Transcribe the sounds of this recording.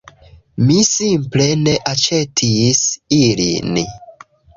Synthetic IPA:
misimple̞ne̞ʔat͡ʃe̞tʰisilḭn

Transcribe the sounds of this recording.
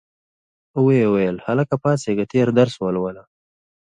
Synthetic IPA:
weewajəlhalakapɑːseɡat̪eɾd̪aɾswalwala

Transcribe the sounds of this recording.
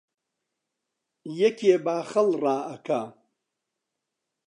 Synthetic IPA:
jɐkʰeːbaːχɐlraːɐkʰa

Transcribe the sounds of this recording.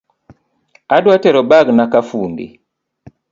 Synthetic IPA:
adwatɛɾɔbaɡnakafuːndḭ

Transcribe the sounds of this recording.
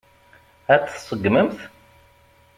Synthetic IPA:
æt͡sːsˤəɡməmθ

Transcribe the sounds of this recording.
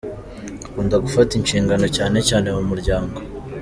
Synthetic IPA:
akuːndaɡufatinʃiːŋɡano̞caːne̞caːne̞wumuɾɟaːŋɡo̞

